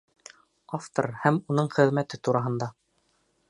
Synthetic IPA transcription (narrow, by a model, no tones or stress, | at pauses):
aft̪o̰ɾhæmunɤɴχɘ̆ðmæt̪ɘt̪uɾɑɦɤ̆nd̪ɑ